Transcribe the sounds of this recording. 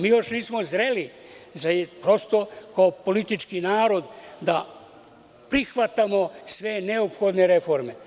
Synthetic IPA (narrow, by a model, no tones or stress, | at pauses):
miːjo̞ʃniːsmo̞zɾe̞lizajpɾost̪o̞kaopo̞lit̪it͡ʃkinaːɾo̞d̪d̪a | pɾixʋat̪amo̞sʋe̞neopxo̞d̪ne̞ɾe̞fo̞ɾme̞